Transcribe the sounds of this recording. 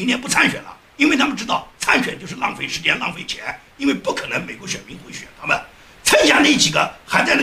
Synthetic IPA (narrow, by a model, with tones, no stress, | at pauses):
i˧˥njɛ˥˧npu˥˩t͡sʰa˥nɕɥɛ˨˩nlə̰˦ | i˥nwe˥˩ɪt̪ʰa˥mə˨˧ʈ͡ʂɻ̩˥t̪ɑ˥˩ʊt͡sʰa˥nɕɥɛ˨˩nt͡ɕjo˥˧ʊʂɻ̩˥˧lɑ˥˩ŋfe˥˩ɪʂɻ̩˧˥t͡ɕjɛ˥˧nlɑ̰˥˧ŋfe˥˩ɪt͡ɕʰjɛ˧˥n | i˥nwe˥˧ɪpu˥˩kʰɤ˨˩nə˧˥ŋme˨˩ɪkwɔ˧˥ɕɥɛ˨˩nmi˧˥ŋxwe˧˥ɕɥɛ˨˩nt̪ʰa˥mə˨n | t͡sʰə˥i˧ɕja˥˧na˥˩i˧˩t͡ɕi˨˩ɡə˦xa˧˥ɪt͡sa˥˧na˥